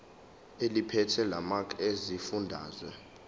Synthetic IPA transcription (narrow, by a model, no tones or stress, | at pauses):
elipʰɛtʰɛlamakʰʼezifundʱa̰ːzwɛ